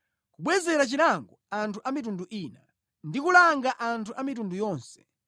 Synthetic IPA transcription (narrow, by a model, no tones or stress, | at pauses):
kuɓwɛzɛɾat͡ʃilaŋɡɔantʰuʔamit̬unduʔiːna | ndikulaŋɡaʔantʰuʔamitundujɔːnsɛ̥